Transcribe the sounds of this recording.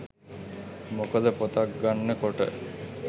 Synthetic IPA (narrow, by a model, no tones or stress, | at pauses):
mokəd̪əpot̪ak̚ɡanːəkoʈə̰